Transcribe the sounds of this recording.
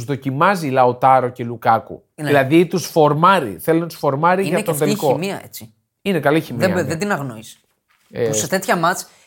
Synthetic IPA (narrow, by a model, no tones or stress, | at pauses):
uzðo̞cimɐzilɐot̪ɐɾo̞ce̞lukɐkṵðilɐðit̪usfo̞ɾmɐɾḭθelinɐt̪u̥sfo̞ɾmɐɾiʝɐt̪onðelkomiɐḛt͡si | inekɐliçimiɐɐðed̪inɐɣnois | pusset̪et̪çɐmɐt͡s